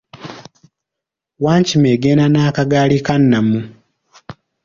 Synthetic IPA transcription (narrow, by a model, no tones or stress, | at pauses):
waːɲcimeɡeːnanaːkaɡaːlikanːamu